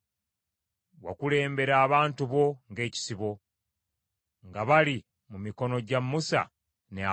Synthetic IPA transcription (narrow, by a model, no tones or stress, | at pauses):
wa̰kule̞ːmbe̞ɾaːβaːntuβo̞ŋɡe̞ːci̥siβo̞ | ŋɡaβali | mumiko̞no̞ɟamːusa̰ | nea